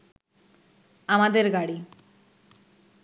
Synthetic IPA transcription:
amad̪eɾɡaɽi

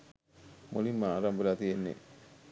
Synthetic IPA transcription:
molimːəaːɾambəlaːt̪ijenːḛ

